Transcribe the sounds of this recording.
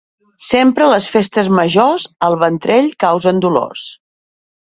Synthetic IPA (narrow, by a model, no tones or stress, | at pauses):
sempɾələsfest̪əzməʒozəlˠβənt̪ɾeʎkawzənd̪ulo̰s